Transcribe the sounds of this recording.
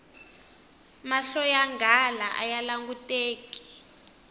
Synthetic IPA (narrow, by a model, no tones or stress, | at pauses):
maɬɔjaŋɡalaʔa̰jalaŋɡuteːki̥